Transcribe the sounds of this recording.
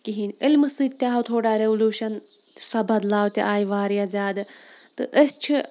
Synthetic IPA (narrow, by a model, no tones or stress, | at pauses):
kiɦiːnʲɪlmɨsɨːd̪t̪ʲjaːɦɐt̪ʰoːɽaːɾeʋuluːʃɐn | t̪sɐbʱɐd̪laːwt̪ʲiʔaːjʋaːɾijazʲaːd̪ɨt̪ɨʔəst͡ʃʰi